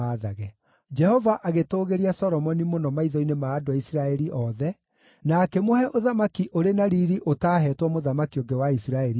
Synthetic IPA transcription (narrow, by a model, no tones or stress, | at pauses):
aðaɣɛ | d͡ʒɛhɔvaʔaɣetoːɣeɾiasɔɾɔmɔnimonɔmaiðɔinemaːdoaisiɾaɛɾiʔɔðɛ | nakɛmohɛʔoðamakiʔoɾenaɾiɾiʔotaːɦɛtwɔmoðamakioŋɡewaisiɾaɛɾi